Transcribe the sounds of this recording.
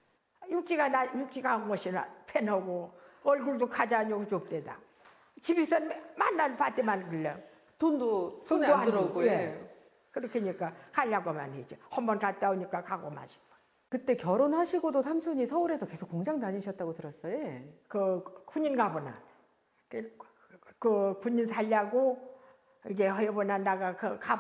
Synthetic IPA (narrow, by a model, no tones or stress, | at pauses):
juk̚t͡ɕ͈iɡanajuk̚t͡ɕ͈iɡaanɡʌɕʰinapʰenʌɡoʌɭɡuɭdokʰad͡ʑaɲoɡot͡ɕop̚t͈weda̰ | t͡ɕibisʌnmanːanpat͈emankɯlːe | tondotondoadɾʌɡone | kɯɾʌkʰeɲik͈akaʎːaɡoma̰nɦed͡ʑihʌmbʌnkat̚t͈aoɲik͈akaɡoma̰ɕʰi̥ɡa | kɯt͈e̞kjʌɾonhaɕʰiɡodosʰamsʰuɲisʰʌuɾe̞soke̞sʰokːoŋd͡ʑaŋdaɲiɕʰʌt̚t͈aɡotɯɾʌs͈ʌjekɯkʰhuɲinɡabonan | k | kɯpuɲinsʰaʎːaɡo | iɡe̞hʌjebonandaɡakɯka